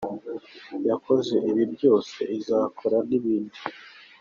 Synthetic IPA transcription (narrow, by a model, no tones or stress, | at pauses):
jakʰo̞ze̞ʔiβibɟo̞ːse̞̰izaːkʰoɾaniβiːndi